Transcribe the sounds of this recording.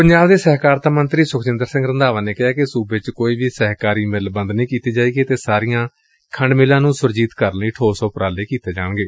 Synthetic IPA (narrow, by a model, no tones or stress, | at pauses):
pəɲd͡ʒaːbd̪eːsɛɦkaːɾt̪ʰaːmənt̪ɾiːsʊkʰt͡ʃɪnd̪əɾsɪ̃ŋɡɾənd̪aːʋãːneːkɪɦaːkɪsuːbt͡ʃkoːiːʋiːsɛɦkaːɾiːmɪlbənd̪nĩːkiːt̪eːd͡ʒaːiːɡeːt̪eːsaːɾijãː | kʰəɳɖmeːlãːnũːsʊɾd͡ʒiːt̪kəɾniːʈʰoːsɔːpɾaːleːkiːt̪eːd͡ʒa̰ːɳɡeː